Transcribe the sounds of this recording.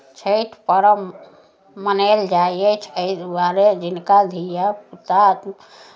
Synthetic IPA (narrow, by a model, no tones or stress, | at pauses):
t͡ʃʰəjʈʰpəɾəmː | əneld͡ʒaijet͡ʃʰəid̪aɾed͡ʒinkad̪ʱijaput̪at̪